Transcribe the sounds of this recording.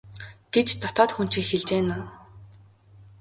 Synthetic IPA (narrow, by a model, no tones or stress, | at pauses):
ɡ̥et͡ɕt̪ʰɔt̪ɔːt̪xun̥t͡ɕĭːkxeɮt͡ɕeːnʊːn